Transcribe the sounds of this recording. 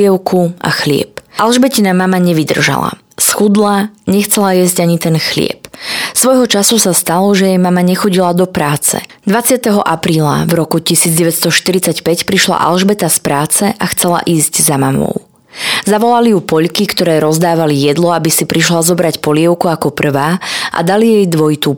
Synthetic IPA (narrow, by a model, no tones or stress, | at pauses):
ɛʊkʰua̰xlɪɛ̰p̚ʔalʒbɛcinamamaɲɛʋid̪r̩ʒa̰la̰ | sxud̪laɲɛxt͡sɛlajɛzɟaɲit̪ɛnxlɪɛ̰psʋɔjɦɔt͡ʃasusast̪alɔʒɛjɛjmamaɲɛxɔɟilad̪ɔpɾaːt͡sɛ̰d̪ʋat͡sɪat̪ɛɦɔʔapɾiːla̰vɾɔkucisiːd͡zɟɛʋɛt̪st̪ɔʃt̪iɾit͡sacpɛcpɾiʃla̰ʔa̰lʒbɛt̪aspɾaːt͡sɛʔaxt͡sɛla̰ʔiːzɟzamamɔ̰ʊ | zaʋɔlalijupɔʎkikt̪ɔɾɛːɾɔzd̪aːʋalijɛd̪lɔabisipɾiʃlazɔbɾacpɔlɪɛʊkuakɔpr̩ʋaːʔa̰d̪alijɛjd̪ʋɔjit̪u